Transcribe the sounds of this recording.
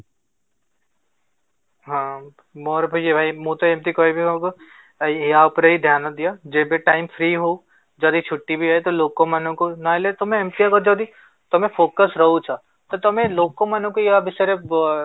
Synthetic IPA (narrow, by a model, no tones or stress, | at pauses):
ɦã | moɾbʱojebʱaimũt̪ɔemt̪ikɔibʱikɔko | iaupɾeɦid̪ʱjaːnɔd̪ijad͡ʒebeʈaːɪmfʰɾiːɦou | d͡ʒɔd̪it͡ʃʰuʈːibʱiɦɔjt̪oloːkːomanũkonɔelet̪ɔmẽemt̪ijakɔd͡ʒɔd̪i | t̪ɔmẽpʰoːkəsɾəɦut͡ʃʰa | t̪ɔt̪ɔmẽloːkːomanũkojabʱiseɾe